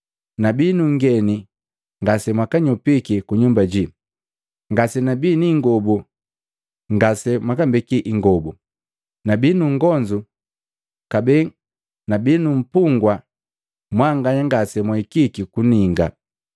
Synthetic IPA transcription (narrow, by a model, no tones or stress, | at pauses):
nabinuŋɡɛni | ŋɡasɛmwakaɲɔpikikuɲumbaɟi | ŋɡasɛnabiniŋɡɔbu | ŋɡasɛmwakambɛkiʔiŋɡɔbu | nabinuŋɡɔɲd͡ʒu | kabɛ | nabinum̩puŋɡwa | mwaŋɡaɲaŋɡasɛmwaikikikuniŋɡa